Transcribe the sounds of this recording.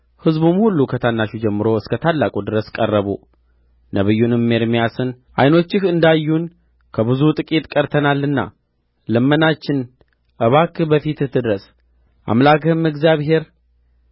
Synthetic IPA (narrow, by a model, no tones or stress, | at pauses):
hɨzbumhulːukʰət̪ʰanːaʃud͡ʒɛmːɨɾo̞ɨskʰət̪ʰalːakʼud̪ɨɾəskʼərːəβṵ | nəβɨjːunɨmːeɾmijasɨn | ʔa̰jno̞t͡ʃːɪhɨnd̪ajːun | kʰəβɨzut̪ʼɨkʼit̪ʼkʼəɾt̪ʰənalːɨnːa̰ | lɨmːənat͡ʃːɪn | ʔəβakbəfit̪ɨt̪ʰːɨd̪ɾəs | ʔa̰mlakʰɨhɨmɨɡzjaβɦe̞ɾ